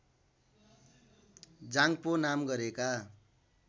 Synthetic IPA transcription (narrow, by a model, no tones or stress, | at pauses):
d͡zaŋponamɡʌɾeka